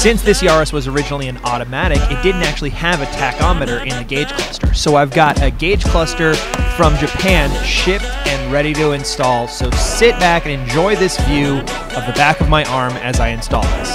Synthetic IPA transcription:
sɪ̃nsðɪsjɑɹɨswʌzə˞ɪd͡ʒɨnl̩ˠiɨ̃nɔɾɨmæɾɨkɨt̚d̥ɪdⁿn̩tæk̚t͡ʃʉl̩ˠiɨvɨtʰækɑmɨɾə˞ʔɪ̃nðɨɡeɪd̥ʒ̥kʰl̥ʌstə̰˞soʊaɪvɡɑɾɨɡeɪd̥ʒ̥kʰl̥ʌstə˞fɹʌ̃md͡ʒɨpʰæ̃nʃɪp̚ | ɨ̃nɹɛɾiɾɨɨ̃nstɔlˠsoʊsɪt̚b̥ækɨ̃nɨ̃nd͡ʒɔɪðɪsvjʉ | ʌvðɨbækʌvmaɪʔɑɹmɨ̰zaɪɨ̃nstɔ̰lˠd̪ðɪs

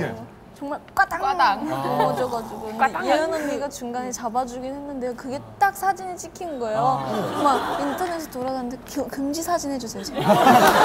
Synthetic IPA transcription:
t͡ɕʌŋmaɭk͈wat͈aaŋkomʌd͡ʑʌɡad͡ʑiɡoeʌnɯmiɡat͡ɕuŋɡanet͡ɕabad͡ʑuɡinhe̞nːɯnde̞okɯɡe̞t͈ak̚sʰad͡ʑinit͡ɕ͈ikʰinɡʌejomaintʰʌne̞sʰɯtoɾadanɯndekkɯmd͡ʑisʰad͡ʑinɦed͡ʑusʰeod͡ʑim

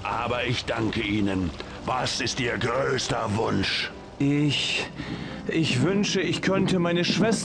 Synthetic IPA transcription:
ʔaːbɐɪçd̥aŋkəʔiːnən | vasɪstʔiːɐɡʁøːstɐvʊnʃ | ʔɪç | ʔɪçv̥ʏnʃəɪçkʰœntəmaɪnəʃv̥ɛs

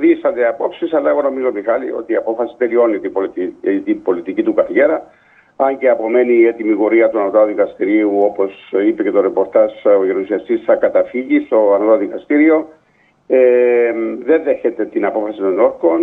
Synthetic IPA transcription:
ðisɐnd̪eɐpo̞psisɐlːɐeɣo̞no̞mizomixɐlḭo̞̰t̪iːɐpo̞fɐsi̥t̪e̞lio̞nːit̪iot̪ibo̞lit̪icit̪ukɐθʝe̞ɾɐ | ɐɲceɐpo̞me̞niːet̪imiɣo̞ɾiɐt̪uanot̪ɐðikɐst̪iɾiuo̞po̞sipece̞t̪o̞ɾepo̞ɾt̪ɐzoʝeɾusiɐst̪isθɐkɐt̪ɐfiʝist̪o̞ɐnot̪ɐðikɐst̪iɾio̞ | e | ðe̞nðeçe̞t̪e̞t̪inɐpo̞fɐsit̪o̞no̞ɾko̞n

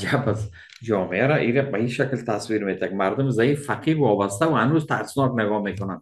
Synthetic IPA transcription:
d͡ʒabaz | d͡ʒɔmeaɾaʔiɾabajiʃaklt̪ʰaswiɾmet̪ʰaɡ̚maɾd̪ʊmzaiffaqʰiɾwɒbast̪aʊhanuzt̪ʰa̰ʔsɪ̥isnɔknɪɡɔmekonan

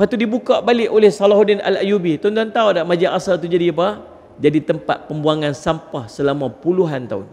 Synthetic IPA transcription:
at̪udibukaʔbalɪʔolɛhsalaɦudɪna̰lajubit̪ɔnt̪ant̪audaʔmad͡ʒaʔasalt̪ud͡ʒadiapa | d͡ʒadit̪əmpa̰t̪̚pəmbuaŋansampahsəlamapuluɦant̪aʊ̰n

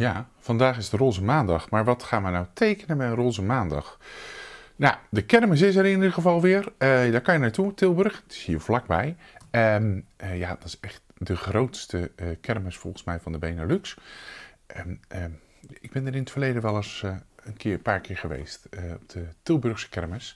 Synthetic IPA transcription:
jaːv̥ɑndaːχɪzdəroːzəmaːndɑχmaːɹʋɑtχaːnʋənawtejkənəbɛjənroːzəmaːndɑ̰χ | nadəkɛɹməs̬ɪs̬əɾɪnidəχəvɑlˠʋɪːɹədaːɹkɑnjənaːɹtutɪlˠbɵrəχtɪ̥shiːɹvlɑɡ̚bɛj | əməjaːd̥ɑtɪ̥sɛχt̚dəχrowtstəkɛrməsfɔlˠχən̩smɛjvɑndəbejnəlyks | əə | ɪɡ̚bɛndəɾɪnətfəɹlejdəʋɛlˠəsənkɪːəpaːɹkɪːɹχəʋḛjstəɔb̚d̥ətɪlˠbɵɹχsə̥kɛɹməs

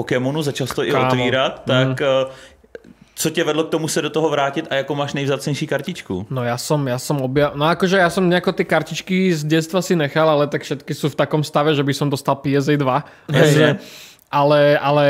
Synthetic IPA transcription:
pokɛmunuzat͡ʃalsɛt̪oʔɪot̪ʋiːɾat̪ːak | t͡socɛvɛdlok̚t̪omusɛdot̪oɦɔvɾaːcɪt̪ajakomaːʃnɛjvzaːt͡sɲɛjʃiːkaɾcɪt͡ʃkṵnɔjaːsɔmjaːsɔmɔbjanɔakɔʒɛjasɔmɲɛakɔt̪ɪɛːkaɾcit͡ʃkizɟɛst̪ʋasinɛxalalɛt̪akfʃɛt̪kisuːft̪akɔmst̪aʋɛʒɛbisɔmd̪ɔst̪alpijɛzɛd̪ʋaaoʒɛ | ʔalɛalɛ

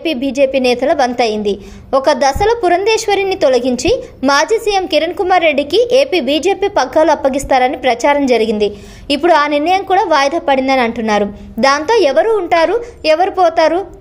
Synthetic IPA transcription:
piːbʱiːd͡ʒeːpiːnɛːt̪ɐlɐʋɐnt̪ɐjind̪i | ɔkɐd̪ɐsɐlɐpuɾɐnd̪ɛːʃʋɐɾinit̪olɐɡiɲt͡ʃimaːd͡ʒiːsijemkiɾɐnkumaːɾːe̞ɖːikiʔeːpiːbiːd͡ʒe̞ːpiːpɐɡːaːluɐpːɐɡist̪aːɾɐnipɾɐt͡ʃaːɾɐmd͡ʒɐɾiɡind̪i | ipːuɽuaːniɾnɐjɐmkuːɽaːʋaːjd̪ʱɐpɐɽind̪ɐniɐɳʈunːaːɾu | d̪aːnt̪o̞ːɛʋɐɾuːɳʈaːɾuɛʋɐɾipɔːt̪aːɾu

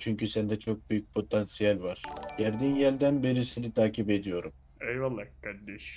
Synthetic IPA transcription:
t͡ʃʰyɲcysænd̪ɛt͡ʃʰo̞k̚byjyc̚pʰo̞t̪ʰansijalʲvaɾ̥ɟæɾd̪injælʲd̪ænbeɾisenit̪ʰaːcipe̞d̪ijo̞ɾum | ɛjvalˠːakad̪ɛʃ

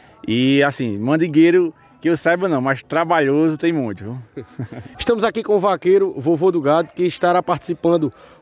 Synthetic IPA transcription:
iasĩmɐ̃d̪iɡejɾʊ | kɪewsajbɐnɐ̃w̃mast̪ɾabaʎozʊt̪ẽj̃mũj̃t̪uvo | ɪʃt̪ɐ̃mʊzakikõuvakejɾʊvovod̪uɡad̪ʊkɪʃt̪aɾapaht̪i̥sipɐ̃nd̪ʊ

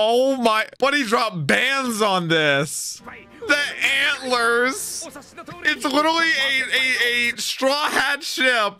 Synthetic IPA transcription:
oʊmaɪb̥ʌɾidɹɑp̚b̥æ̃ndzn̩ðɪs | ðiʔæ̃nʔˡlə˞z̥ | ɪtslɪɾə˞l̩ˠiɨɨɨstɹ̥ɔhædʃɪp̚

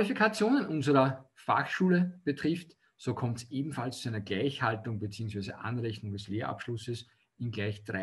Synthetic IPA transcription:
lifikʰat͡sjoːnənʔʊnzəʁɐfa̰χʃuːləb̥ətʁ̥ɪft | soːkʰɔmtsʔeːbm̩falst͡suæɪnɐɡlæɪçhaltʊŋbet͡siːʊŋs̬væɪzə̰ʔa̰nʁɛçnʊŋdɛsleːɐʔa̰pʃlʊsəs | ɪnɡlæɪçd̥ʁa

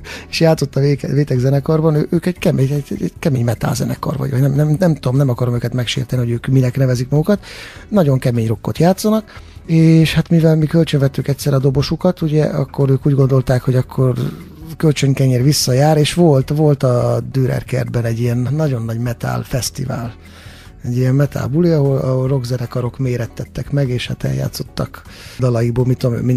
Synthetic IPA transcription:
e̥ʃjaːt̪so̞t̪ːɒeveːt̪ɛɡzɛnɛkɒrbɒnøːʔøːkɛɟ̥kɛmeɛɛɛkɛmeːɲmɛt̪a̰lzɛ̰nɛ̰kɒ̰rvɒ̰ɟɒ̰ɟnɛmnɛmnɛmt̪uomnɛmɒkɒɾo̞møːkɛt̪mɛkʃḛːrt̪ɛniho̞ɟøːkminɛknɛvɛzikmɒɡukɒt̪nɒɟo̞ŋkɛmeːɲro̞kːot̪jaːt̪sɒnɒkeːʃhat̪mivɛlmikølt͡ʃøɱvɛt̪ːykɛc̪ʲsɛɾɒd̪o̞bo̞ʃukɒt̪uɟɛɒ̰kːo̞ɾøːkuːɟɡo̞nd̪o̞lt̪aːkho̞ɟɒkʰːo̞r | kølt͡ʃøŋkɛɲeːrʋisːɒjaːɾeːʃʋo̞lt̪vo̞lt̪ɒd̪øːɾɛ̰rkɛ̰rd̪̚bɛnɛɟːijɛnːɒɟo̞nːɒɟmɛt̪a̰ːlfɛst̪ḭva̰ːl | ɛɟːijɛmmɛt̪ʰa̰ːlbuliɒɦo̞lɒ̰ɦolro̞ɡzɛnɛkɒɾo̞kmeːɾɛt̪ːɛt̪ːɛkmɛɡeːʃha̰t̪ɛ̰lja̰ːt̪so̞̥t̪ːɒk | d̪ɒlɒjiɡ̚boːlmit̪ːuommi

